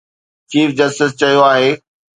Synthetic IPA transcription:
t͡ɕiːfd͡ʑɐstɪs̬t͡ɕɐɦijoaːɦeː

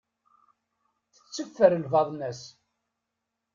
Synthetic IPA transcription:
θə̥t͡sːəfːəɾəlvɑðˤnæs

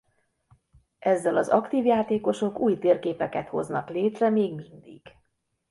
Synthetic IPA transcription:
ʔɛzːɛlɒzɒkt̪iːvjaːt̪eːko̞ʃo̞kuːjt̪eːrkeːpɛkɛt̪ho̞̰znɒkleːt̪rɛmeːɡmind̪ḭɡ̥

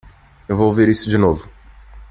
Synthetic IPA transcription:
ewvowveɾisʊd͡ʒɪnovʊ

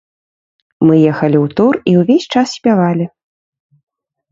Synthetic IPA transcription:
mɨjɛxɐlʲiwt̪uriwvʲesʲt͡ʂassʲpʲavalʲi

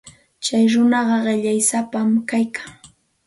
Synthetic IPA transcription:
t͡ʃajɾʊnɑɢɑɢɪʎajsapamkajkʰaŋ

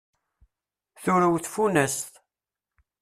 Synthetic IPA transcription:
θuɾəwθfunæst̪

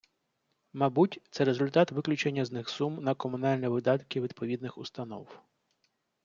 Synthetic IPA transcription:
mɑbutʲt̪sɛɾezʊlʲt̪ɑt̪ʋɪklʲʊt͡ʃenʲːɐznɪxsumnɐkɔmʊnɑlʲnɛʋɪd̪ɑt̪kɪʋʲid̪̚pʰɔʋʲid̪̚nɪxʊst̪ɐn̪ɔ̰w

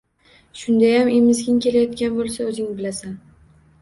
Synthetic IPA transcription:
ʃʊnd̪ajamemɪzɡʲɪŋkʲe̞lajɒt̪kʲanbolˠsaɵzɪŋbɪlasan

